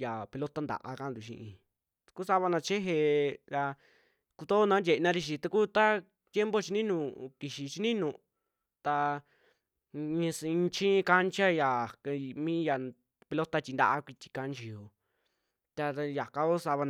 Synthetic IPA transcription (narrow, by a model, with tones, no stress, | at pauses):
ja˨pe˧lo˦t̪a˦nd̪a̰˨ʔa̰˧ka˧˦nd̪u˨ʃḭ̃˧ʔĩ˧ | ku˦sa˧βa˧nã˧t͡ʃe˦ɦe˧ɾa˧ | ku˧t̪o˦nã˦ndʲe˨˧nã˦˧ɾi˧ʃ̬i˧t̪a˧ku˦t̪a˦ | t̪ʲje˦mbo˦t͡ʃi˧nĩ˦nũ˧˨ki˨ʃi˧t͡ʃi˧˦nĩ˦nũ˧˨ | t̪a˧ | ɲĩ˧sĩ˧t͡ʃĩ˦˧ka˦nt͡ʃa˦ja˨˧mĩ˦ja˧ | pe˧lo˦t̪a˦t͡ʃʲi˧nd̪a̰˧ʔa˧kʷi˧t̪ʲi̥˧ka˧nt͡ʃi˧jo˧˨ | t̪a˧ja˨ka˧ko˦sa˧βa˧n